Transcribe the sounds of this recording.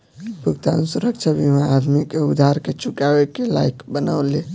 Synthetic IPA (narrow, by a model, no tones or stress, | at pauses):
bʱukt̪anusuɾəkt͡ʃʰəbʱiɦãad̪mikeud̪ʱaɾket͡ʃukawekela̰ikbəna̰ʊle